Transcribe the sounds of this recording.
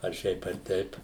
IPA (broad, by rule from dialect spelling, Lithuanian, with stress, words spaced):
ɐr ˈʃʲɛɪp ɐr ˈtʲɛɪp